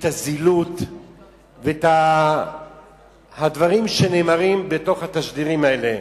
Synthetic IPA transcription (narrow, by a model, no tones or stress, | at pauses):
t̪azilut̪ | vet̪a | had̪vaʁimʃe̞ne̞ːmaʁimbeto̞χhat̪aʃd̪iʁimaele